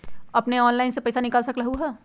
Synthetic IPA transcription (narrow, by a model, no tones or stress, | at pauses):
ɐpneɔːnlaɪnsepɐɪsanɪkaːlsɐkɾɐɦuɦɛː